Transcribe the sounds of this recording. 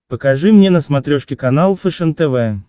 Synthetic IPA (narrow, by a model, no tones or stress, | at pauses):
pəkaʐɨmnʲenəsmat̪ɾʲoʂkʲɪkanalˠfəʂɛnt̪ɛvɛ